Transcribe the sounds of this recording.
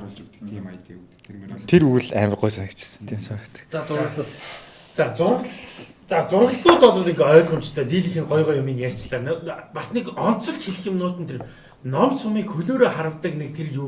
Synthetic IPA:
t̪ʰeɾujɮæ̰ːmə̆qːʊjsanə̆kt͡ɕʰɪ̥sə̥̆nt̪ʰiːmsanə̆kt̪ə̥̆kt͡sat͡s | t͡sat͡sʊr | t͡sat͡sʊrʁə̆ɮʊːt̪ɔt̪ʊːɮiŋɡœːɮχʊmt͡ɕt̪ʰœːt̪iːɮĭxɘ̆ŋɢɔjʁɔːjʊmiːnjær̥ʲt͡ɕɮaːnpasnekɔn̥t̪t͡sɞ̆ɮt͡ɕxʰiɮ̆xɪ̆mnʊːt̪ɘ̆nt̪ʰer | nɔmsʊmiːkxɵɮoːɾoːχaɾə̆wt̪ə̆knek̚t̪ʰerju

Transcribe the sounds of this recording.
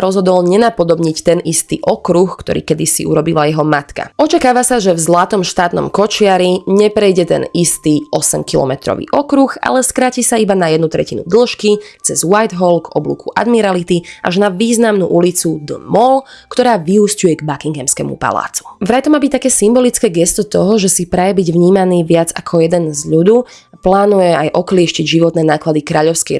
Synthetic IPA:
ɾɔzɦɔd̪ɔlɲɛnapɔd̪ɔbɲict̪ɛnist̪ḭːʔɔkɾuxkt̪ɔ̰ɾḭːkɛd̪isḭuɾɔbilajɛɦɔmat̪ka̰ɔt͡ʃakaːʋasaʒɛvzlat̪ɔmʃt̪aːt̪nɔ̰mkɔt͡ʃɪaɾiɲɛpɾɛjɟɛt̪ɛ̰nist̪iːɔsɛmkilɔ̰mɛt̪ɾɔ̰ʋḭʔɔkɾuxa̰lɛskɾacisaibanajɛd̪nut̪ɾɛcinṵd̪l̩ʃkit͡sɛzwajd̪ɦɔlɡɔblṵkʰuʔa̰d̪miɾalit̪iʔaʒnaʋiːznamnṵʔulit͡sud̪mɔlkt̪ɔɾaːʋiɦuscujɛɡbakiŋɡɛmskɛ̰mṵpa̰la̰ːt͡su̥vɾajt̪ɔmaːbic̚t̪akɛːsimbɔlit͡skɛːɡɛst̪ɔt̪ɔɦɔʒɛsipɾajɛbiɟʋɲiːmaniːʋɪad͡zakʰɔjɛd̪ɛnzʎud̪uː | plaːnujɛajʔɔklɪɛʃciɟʒiʋɔt̪nɛːnaːklad̪ikɾaːʎɔʊskɛ

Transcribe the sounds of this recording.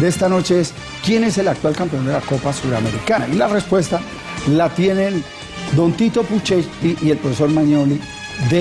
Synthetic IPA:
d̪eest̪ano̞t͡ʃe̞es | kje̞ne̞se̞lak̚t̪walkampeo̞nd̪e̞lako̞pasuɾame̞ɾikana̰ilarespwe̞st̪a | lat̪je̞nen | d̪o̞nt̪it̪o̞put͡ʃepiʔie̞lpɾofeso̞ɾmaɲo̞li | ðe

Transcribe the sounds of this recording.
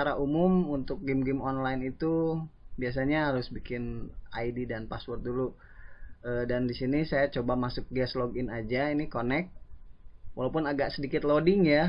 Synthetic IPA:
aɾaʔumʊmunt̪ʊk̚ɡɪmɡɪmɔnlajnit̪ubias̬aɲaɦaɾʊsbikɪnaididanpaswɔrt̪̚dulu | əːdandisinisajat͡ʃobamasʊk̚ɡɛsloɡɪnad͡ʒainikonɛk̚ | wʔalawpʊnaɡaʔsədikɪt̪lodɪŋja

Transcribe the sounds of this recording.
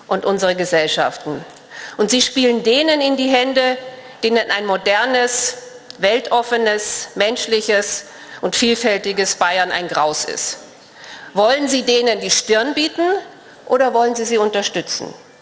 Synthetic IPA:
ʔʊntʔʊnzəʁəɡəzɛlʃa̰ftn̩ | ʔʊntz̥iːʃpiːləndeːnənɪndiːɦɛndəd̥eːnənʔa̰ɪnmodɛɐnəs | vɛltʰʔɔfənəsmɛnʃlɪçəs | ʔʊntfiːlfɛltɪɡəsb̥aɪɐna̰ɪnɡʁaʊsɪ̰st | vɔlənziːdeːnəndiːʃtɪɐnbiːtn̩ | ʔo̰ːdɐvɔlənziːziːʊntɐʃtʏt͡sn̩

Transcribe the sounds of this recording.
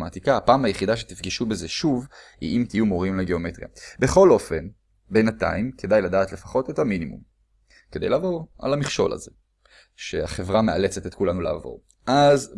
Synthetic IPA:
mat̪ikaːpaːmajeχidaʃet̪ifɡiʃube̞zeʃuv | ḭimtijumoʁimleɡe̞o̞metʁija̰be̞χo̞lo̞fe̞n | benata̰imkʰedajladaːtlefaχo̞te̞taminimṵm | ked̪ejlavo̞ʁa̰lamiχʃo̞̰la̰ze | ʃeaχe̞vʁameale̞t͡setetkulanulḛavo̞̰ʁ | ʔaz

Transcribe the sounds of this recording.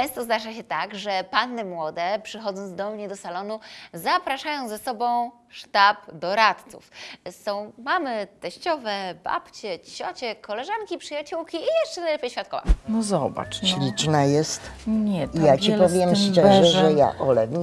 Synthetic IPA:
ʈ͡ʂɛ̃w̃st̪ɔznaʐaɕɛt̪aɡʐɛpanːɘmwɔd̪ɛpʂɨxɔd̪zɔnd̪ɔmɲɛd̪ɔsalɔnuzapɾaʂajɔ̃w̃zɛsɔbɔ̃w̃ | ʂt̪apd̪ɔɾat̪t̪sṵfsɔ̃w̃mamɘt̪ɛɕt͡ɕɔvɛba̰pt͡ɕɛd͡ʑiɕɔt͡ɕɛkɔlɛʐankʲipʂɘjat͡ɕuwkʲiːjɛʂt͡ʂɛnajlɛpʲjɕfʲjat̪̚kɔva̰nɔzɔba̰t͡ʂɕlʲit͡ʂnajɛst̪ɲɛtijat͡ɕipɔvʲjɛmst͡ʂɛʐɛʐɛja̰ʔɔlɛ

